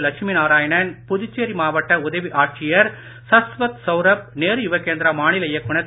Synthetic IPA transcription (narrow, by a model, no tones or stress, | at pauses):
lɐkʂminaːɾaːjɐɳɐnpʊðɪt͡ʃːeːɾimaːʋɐʈːɐʊðɐʋiʔaːʈ̚t͡ʃɪjɐɾ | sɐsʋɐt̪sɐʊɾɐp̚neːɾjʊʋɐkeːnd̪ɾamaːɳɪlɐjɐkːʊɳɐt̪ː